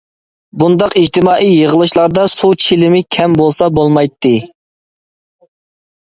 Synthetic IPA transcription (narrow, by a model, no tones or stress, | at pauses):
bund̪ɑqid͡ʒt̪ʰɪmɑːʔijjəʁəlˠɨʃlˠɑɾd̪ɑsut͡ʃʰilɪmɪkʲʰɛmbolˠsɑbolˠmɑjt̪ʰːɨ